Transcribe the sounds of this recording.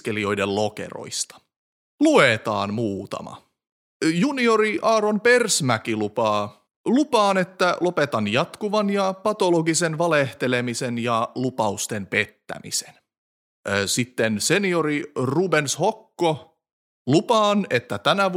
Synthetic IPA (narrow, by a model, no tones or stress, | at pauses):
ke̞lio̞jdello̞kḛro̰jst̪ɑ̥ | luet̪ɑ̰ːnmuːt̪ɑ̰mɑ̰ | junio̞ɾiʔɑːɾonpe̞rsmækilupɑː | lupɑːne̞t̪ːælo̞pet̪ɑnjɑt̪kuʋɑnjɑpɑt̪o̞loɡisenʋɑleht̪e̞le̞misenjɑlupɑust̪e̞mpe̞t̪ːæ̰mḭse̥n | sit̪ːensenio̞ɾirubenshokːo | lupɑːne̞t̪ːæt̪ænæʋ